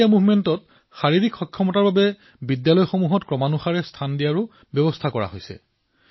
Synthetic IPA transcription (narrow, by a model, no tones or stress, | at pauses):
amuvmɛntɔt̚ | xaɹiɹikxɔkʰːjɔmɔtaɹbabɛ | bidjalɔjxomuɦɔtkɹɔmanuxaɹɛstʰandijaɹʊ | bjɔbɔstʰakɔɹa̰ɦojsɛ̰